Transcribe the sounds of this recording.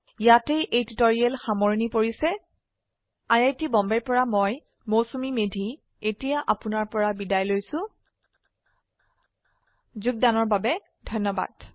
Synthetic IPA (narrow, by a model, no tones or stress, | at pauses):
jatejʔejtitɔɹiɛlxamɔɹnipoɹisɛ | ajajtibɔmbɛɹpɔɹamoj | mowsomimedʱi | etijaʔapʊnaɹpɔɹabidajlojsʊ̃ | zʊɡ̚danɔɹbabɛ | dʱɔnːɔba̰d